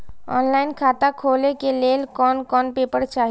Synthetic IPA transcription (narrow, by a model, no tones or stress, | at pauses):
ɔ̰ːnlaːɪnkʰaːt̪akʰoːlekeleːlkɔːnkɔːnpeːpəɾt͡ʃaːɦ